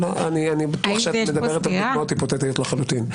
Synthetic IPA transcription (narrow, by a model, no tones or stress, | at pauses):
loanianibat̪uaχʃeamed̪abeet̪almot̪ipot̪et̪ajot̪laχalut̪in